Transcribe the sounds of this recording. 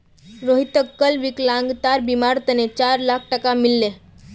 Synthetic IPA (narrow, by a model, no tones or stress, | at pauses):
ɾoɦit̪əkːəlʋiklãŋɡt̪aɾbimaɾt̪ənet͡ɕaɾlakʰʈəkamilːe